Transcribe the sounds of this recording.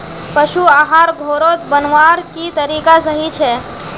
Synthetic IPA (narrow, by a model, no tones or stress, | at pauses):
pəʃuaːɦaːɾɡʱoːɾot̪bənʋaːɾkit̪əɾiːkasəɦit͡ʃʰɛː